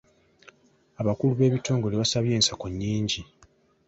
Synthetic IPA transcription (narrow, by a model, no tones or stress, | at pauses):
aβakuluβe̞ːβito̞ːŋɡo̞leβasaβje̞ːnsakoɲːiːɲɟi